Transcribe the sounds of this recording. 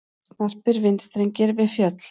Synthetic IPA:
snar̥pɪɾvɪnt̪st̪ɾejɲcɪɾvɪðfjœt̪l̥

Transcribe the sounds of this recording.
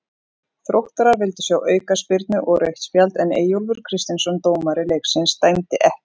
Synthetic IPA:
θɾowht̪aɾaɾvɪlt̪ʏ̥sjawʔœːɥkaspɪɾt̪nʏʔɔɣɾejht̪spjalt̪ɛnḛːjowlvʏɾ̥kʰɾɪst̪ɪnsɔnt̪oːwmaɾɪleːjksɪnst̪ajmt̪ɪʔɛh

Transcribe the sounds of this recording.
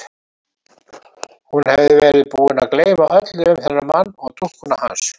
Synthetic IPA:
hunhɛvðɪvɛːɾɪðpuːɪnaðkleːjvaʔœt̪lɪʏmθɛrːamanːɔɣt̪ʰuhkʏnaha̰ns

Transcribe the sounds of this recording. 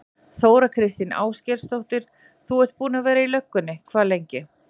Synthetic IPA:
θoːwɾakʰɾɪst̪ɪna̰ːwscɛlst̪owht̪ɪɾ̥ | θuɛ̥t̪̚puːnavɛːɾailœkːʏnːɪkʰvaːlejɲcɪ

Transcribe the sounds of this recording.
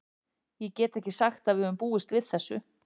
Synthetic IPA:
jɛcɛːt̪ɛhcɪsaxt̪aðvɪhœvʏmpuːɪst̪vɪðθɛsːʏ

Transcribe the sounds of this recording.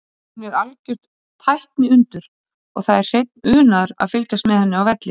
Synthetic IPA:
hunːɛɾalcʏr̥t̪ | t̪ʰːajhpnɪʏnt̪ʏɾ̥ | ɔ̰ɣθaðɛr̥r̥ejt̪̚nʏːnaɾa̰ðfɪlkast̪mɛðhɛnːɪawvɛt̪lɪ

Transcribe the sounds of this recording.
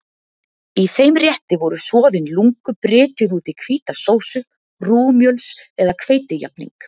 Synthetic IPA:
iθejmrjɛht̪ɪvɔɾʏsvɔːðɪnluŋkʏpɾɪːt̪ʏɾuːt̪ikʰviːt̪asoːwsʏ | ruːmjœlsɛðakʰveːjt̪ɪja̰p̚nḭŋk

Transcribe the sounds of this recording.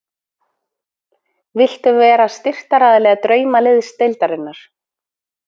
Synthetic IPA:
vɪl̥t̪ʏvɛːɾast̪ɪr̥t̪aɾaðɪlɛːɣat̪ɾœːɥmalɪðst̪ejlt̪aɾɪnːaɾ̥

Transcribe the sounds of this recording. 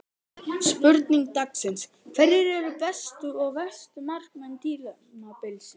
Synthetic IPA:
spʏɾt̪niŋk̚t̪aksɪns | kʰfɛɾjɪɾɛɾʏpɛst̪ʏɔɣvɛst̪ʏmar̥kmɛnt̪iːla | mapɪlsɪ

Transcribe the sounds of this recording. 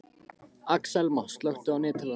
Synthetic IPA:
aksɛlmɔhst̪lœwht̪ʏawnɪːt̪ʰɪla

